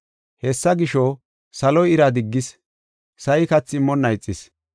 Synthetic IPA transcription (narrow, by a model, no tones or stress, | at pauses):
hɛsːɐɡɪʃɔ | sɐlɔjɪɾɐd̪ɪɡːɪs | sɐjɪkɐt͡sːɪmːɔnːɐjt͡sʼːɪs